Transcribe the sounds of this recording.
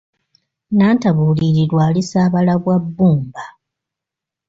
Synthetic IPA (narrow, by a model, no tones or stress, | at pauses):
naːntaβuːliɾilwaːlisaːβalaβwabːuːmba